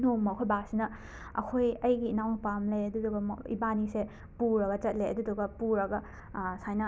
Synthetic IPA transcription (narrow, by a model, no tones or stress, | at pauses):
nomːɐkʰojbasinɐ | ɐ̰kʰojɐjɡiːnawnpamleɐduduɡɐḭbanise | puɾɐɡɐt͡ʃɐt̚leʔɐ̰duduɡɐpuɾɐɡɐ | sajnɐ